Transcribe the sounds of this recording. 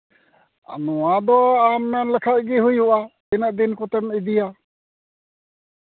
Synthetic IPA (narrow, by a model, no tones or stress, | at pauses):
a̰nɔwad̪ɔamnɛnlɛkʰat̪̚ɡiɦujuʔat̪inaʔd̪inkɔt̪ɛmid̪ija